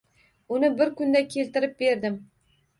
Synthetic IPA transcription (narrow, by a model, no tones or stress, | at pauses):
ʊnɪbɪɾkʊnd̪akʲʰe̞lt̪ɪɾɪp̚be̞ɾd̪ɪm